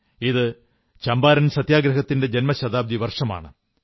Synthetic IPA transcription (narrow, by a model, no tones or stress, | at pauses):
iðɨ | t͡ɕɐmbaːɾɐnsɐt̪jaːɡɾɐɦɐt̪ːinde̞d͡ʑenmɐɕɐd̪aːb̚d̪iʋɐrʂɐma̰ːɳɨ